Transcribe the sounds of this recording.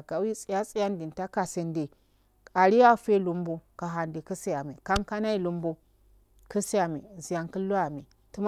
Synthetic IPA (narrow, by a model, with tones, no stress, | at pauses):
ka˨wi˦t͡sʼi˦ja˦sʼi˦ja˦ndi˨n˨ta˦ka˨si˨nde˨ | a˨ɾi˦ja˦˨fe˦lu˦mbu˦ka˨ɦa˨ndi˨ki˦si˦ja˨mi˨ka˦mka˦na˦i˦lu˦mbu˦ | kə˦si˦ja˨mḭ˨zi˨ja˨ŋkə˦lːu˦a˨mi˨ | tu˦m˦